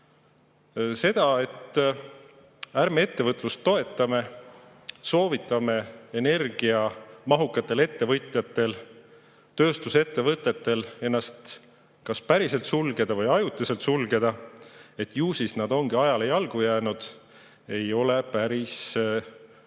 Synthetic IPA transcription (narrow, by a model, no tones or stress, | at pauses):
se̞d̪̥ɑe̞t̪ː | æɾmee̞t̪ːe̞vɤt̪ːˑlust̪ːo̞e̞t̪ːˑɑme̞ | so̞ːvit̪ːˑɑme̞ene̞rɡ̥iɑmɑɦukːˑɑt̪ːˑe̞le̞t̪ːe̞vɤjt̪ˑjɑt̪ːˑe̞l | t̪ø̞ːst̪use̞t̪ːe̞vɤt̪ːˑe̞t̪ːe̞le̞nːɑst̪ | kɑspæɾise̞lt̪sulɡe̞d̪̥ɑvɤjɑjut̪ːˑise̞lt̪sulɡe̞d̪̥ɑe̞t̪ːˑjuːsisnɑd̪̥o̞ŋɡ̥iɑjɑle̞jɑlɡ̥ujæːnud̪̥ | e̞jo̞le̞pæɾis